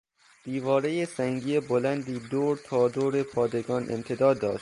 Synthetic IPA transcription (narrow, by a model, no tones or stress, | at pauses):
d̪̥iːvɒːɾejesæŋɟiːebolænd̪iːd̪oːɾt̪ʰɒːd̪oːɾe̞pʰɒːd̪e̞ɡɒːnʔḛmt̪ʰe̞d̪ɒːd̪ːɒːʃt̪